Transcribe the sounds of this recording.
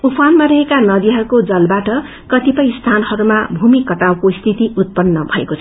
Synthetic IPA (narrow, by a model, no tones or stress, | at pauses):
upʰanmaɾʌɦekanʌd̪iɦʌɾukod͡zʌlbaʈʌ | kʌt̪ipʌjst̪ʰanʌhʌɾuma̰bʱumikʌʈawkost̪ʰit̪iut̪̚pʌnːʌbʱʌḛkot͡sʰ